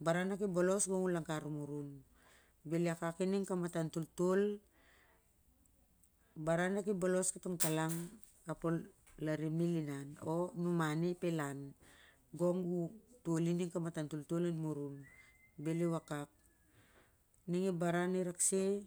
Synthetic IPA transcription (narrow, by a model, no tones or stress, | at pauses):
baɾanakibolo̞sɡo̞ŋulaŋkaɾumuɾun | beliakakiniŋkamatantultul | baɾanakibolo̞skitoŋtalaŋ | kapol | laɾimilinano̞numanipelan | ɡoŋutuoliniŋkamatantultulinmuɾun | beliwakak̚ | niŋibaɾaniɾakse